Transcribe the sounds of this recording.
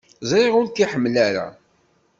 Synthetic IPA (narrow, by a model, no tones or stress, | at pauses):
zɾeʁʊɾt̪iħəmːlæɾa̰